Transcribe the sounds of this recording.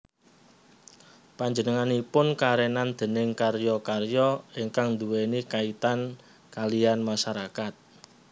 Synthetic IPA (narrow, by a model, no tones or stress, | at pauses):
paɲd͡ʒənəŋanipʊnkaɾɛnand̪̥ə̤nɪŋkarjɔkarjɔiŋkaŋnd̪uwenikait̪an | kalianmaʃaɾakat̪̚